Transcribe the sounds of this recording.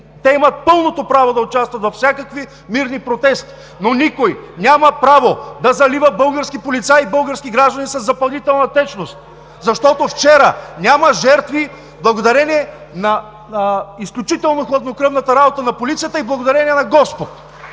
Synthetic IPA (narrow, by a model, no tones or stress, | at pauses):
t̪ɛimɐt̪̚pɤlˠnot̪opɾavod̪ɐot͡ʃast̪vɐt̪vɐfsʲakəkvi | miɾnipɾot̪ɛst̪i̥ | nonikojnʲaməpɾavod̪ɐzɐlivəbɤlˠɡəɾskipolit̪saibɤlˠɡəɾskiɡɾaʒd̪ɐnisɐzːɐpɐlˠnit̪ɛlˠnɐt̪ɛt͡ʃnost̪̚ | zɐʃt̪ɔt̪oft͡ʃɛɾənʲamɐʒɛɾt̪vi | blˠɐɡod̪ɐɾɛnʲiɛ | nɐ | isklʲut͡ʃit̪ɛlˠnoxlˠɐd̪nokɾɤvnɐt̪ɐɾabot̪ənɐpolit̪sijət̪əiblˠɐɡod̪ɐɾɛniɛnɐɡɔspot̪